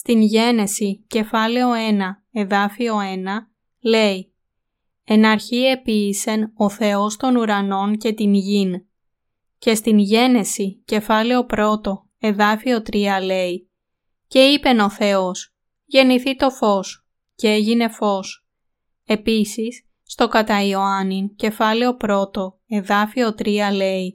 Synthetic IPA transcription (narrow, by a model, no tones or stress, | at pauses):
st̪inʝe̞ne̞sice̞fɐle̞o̞e̞nɐ | e̞ðɐfio̞e̞nɐ | le̞i | enɐɾçie̞piːse̞no̞θe̞ost̪o̞nuɾɐno̞nce̞t̪inʝin | ce̞st̪inʝe̞ne̞sice̞fɐle̞o̞pɾo̞t̪o̞ | e̞ðɐfio̞t̪ɾiɐle̞i | ce̞ipe̞no̞θe̞os | ʝe̞niθit̪o̞fo̞s | ceeʝine̞fo̞s | e̞pisisː | t̪o̞kɐt̪ɐio̞ɐnince̞fɐleo̞pɾo̞t̪o̞ | e̞ðɐfio̞t̪ɾiɐle̞i